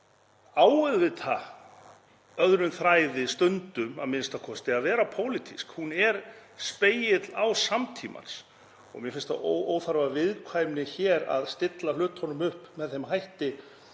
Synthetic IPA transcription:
aːwɛðvɪt̪ʰa | œðɾʏnθɾaːjðɪst̪ʏnt̪ʏmamɪnst̪akʰɔst̪ɪaðvɛːɾapʰoːwlɪt̪ʰiskhunɛɾspeːjɪt̪lawsamt̪ʰiːma̰n̥s | ɔ̰ɣmjɛfɪnst̪a̰ooːwθaɾvavɪðkʰvaːjmnɪçɛːɾa̰ðst̪ɪt̪lalʏːt̪hɔnʏmʏhpmɛðθejmɦajht̪ɪ

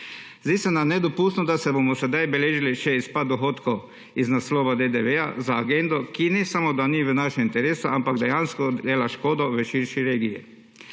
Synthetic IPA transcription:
zd̪iːsɛnamnɛd̪ɔpuːst̪nɔd̪asɛbomɔsɛd̪ajbɛleːʒiliʃɛispad̪̚d̪ɔxoːt̪ko | iznasloːʋad̪ed̪eʋea̰zaːɡend̪ɔkinɛsamod̪aniʋənaʃɛmint̪ɛɾeːsuampaɡd̪ɛjanskɔd̪eːlaʃkoːd̪ɔʋəʃiɾʃiɾeːɡijḭ

